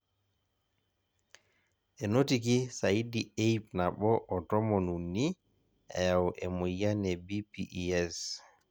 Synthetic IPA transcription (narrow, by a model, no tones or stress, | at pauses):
ʔɛnotikisajidiejpnaɓɔʔɔtɔmɔnunːi | ɛ̰jawʔɛmujanɛbipiʔɛs